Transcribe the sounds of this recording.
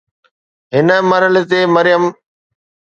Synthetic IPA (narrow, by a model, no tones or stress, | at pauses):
ɦɪnəmɐɾəlɪt̪eːmɐɾɪjəm